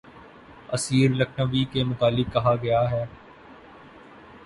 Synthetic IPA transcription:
ɐsiːɾlɐkʰnəʋikemʊt̪aːlɪk̚ːɐɦaɡɐjaɦɛː

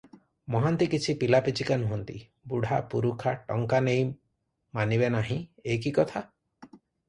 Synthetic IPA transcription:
mɔɦant̪ikit͡ʃʰipilapit͡ʃikanuɦɔnt̪ḭ | buɽ̤ʱapuɾukʰaʈɔ̰ŋkanej | maniβenaɦĩekikɔt̪ʰa

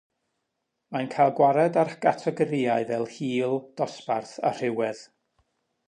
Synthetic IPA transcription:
mankʰajlˠɡwaɾɛdaɾɡ̥atʰɛɡəɾiːaɨvɛlˠhiːlˠd̥ɔsparθa̰r̥ɪwɛð

